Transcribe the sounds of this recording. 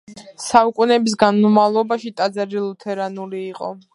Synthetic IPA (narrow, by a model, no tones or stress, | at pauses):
saukʼunɛbis̬ɡanmumavlˠɔbaʃit̪ʼad̪zaɾilˠut̪ʰɛɾanuliːqʼɔ̰